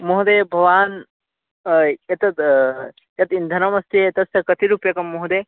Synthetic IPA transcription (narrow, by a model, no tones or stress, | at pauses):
moɦd̪eːbʱɐʋaːn | jɐt̪ɐt̪ | jɐt̪ind̪ʱɐnɐmɐst̪ʰiɐt̪ɐsɐkɐt̪iɾupjɐkɐmːoɦd̪eː